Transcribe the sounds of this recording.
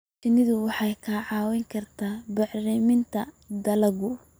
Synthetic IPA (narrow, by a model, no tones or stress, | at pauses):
t͡ʃɪnɪðʊwɑħɑjkʰaːʕɑːwɛŋkʰɐrt̪ʰaːbɑħrɛmɪnt̪ʰɐ | d̪ɐlɐɣʊ